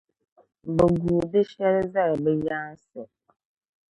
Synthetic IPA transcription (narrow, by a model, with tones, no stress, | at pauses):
bɛ˨ɡu˨dɪ˦ʃɛ˦ɾza˦˨ɾbɛ˦ja˦sɛ˨